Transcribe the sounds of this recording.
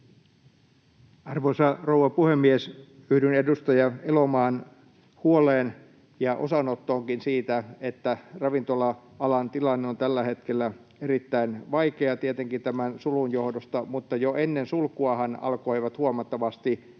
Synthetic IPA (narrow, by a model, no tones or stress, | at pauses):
ɑrʋosɑrowːˑɑpuhemːiesyhdynedust̪ɑjɑelomɑːn | huoleːn | jɑʔo̰sɑnot̪ːoːŋkinsiːt̪æet̪ːærɑʋint̪olɑ | ɑlɑnt̪ilɑnːeont̪ælːæhet̪kelːæ | eɾit̪ːæinʋɑikeɑt̪iet̪eŋkint̪æmænsulunjohdost̪ɑmut̪ːɑjoʔenːensulkuɑhɑnɑ̰lkoiʋɑt̪huomɑt̪ːɑʋɑst̪i